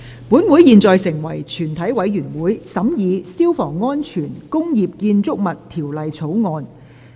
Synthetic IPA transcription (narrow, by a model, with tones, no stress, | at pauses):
puː˨˥nwu˨˥jiː˨nt͡sɔː˨jsɪ˨˩ŋwɐ˨˩jt͡ʃʰyː˨˩nt̪ʰɐ˨˥jwɐ˨˥jɥyː˨˩nwuː˨˥jsɐ˨˥mjiː˨˧siː˥wfɔː˨˩ŋːɔː˥nt͡ʃʰyː˨˩nkʊ˥ŋjiː˨p̚kiː˧nt͡sʊ˥k̚mɐ˨tt̪ʰiː˨˩wlɐ˨jt͡sʰo˨˥wŋɔː˧n